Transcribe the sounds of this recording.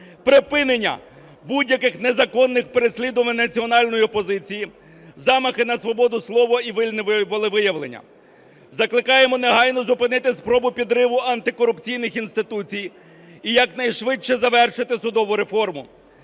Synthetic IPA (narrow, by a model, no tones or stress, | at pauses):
pɾɪpɪnenʲːɐ̰ | budʲjɐkɪxnezɐkɔnːɪxpeɾesʲlʲid̪ʊmɪnɐt͡sʲiɔnɑlʲnɔjiɔpɔzɪt͡sʲiji | zɑmɐxɪnɐsʋɔbɔd̪ʊslˠɔʋɔiʋɪlʲnɪbʊlˠɪʋɪjɐʋlˠenʲːɐ̰ | zɐklˠɪkɑjemɔneɦɑjnɔzʊpɪnɪt̪ɪspɾɔbʊpʲid̪ɾɪʋʊɐnt̪ɪkɔɾʊpt͡sʲijnɪxinst̪ɪt̪ut͡sʲij | ijɐknɐjʃʋɪt͡ʃːɛzɐʋɛrʃɪt̪ɪsʊd̪ɔʋʊɾe̞fɔrmʊ